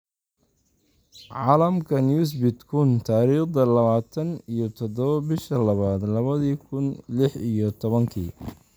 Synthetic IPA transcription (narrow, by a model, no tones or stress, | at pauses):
ʕɑːlɐmkʰɐnjuːs̬bɪt̪kʰʊnt̪ʰaːɾiːχd̪ɐlɐβaːt̪ʰɐnijɞt̪ʰɔd̪ɔβɐbɪʃɐlɐβaːd̪lɐβɐðiːkʰʊnlɪħijɔt̪ʰɔβɐŋkʰiː